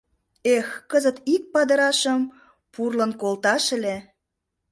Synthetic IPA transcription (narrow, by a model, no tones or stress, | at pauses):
exkəzət̪ik̚pɑd̪ə̆ɾɑʃəm | purlənkolt̪ɑʃelʲe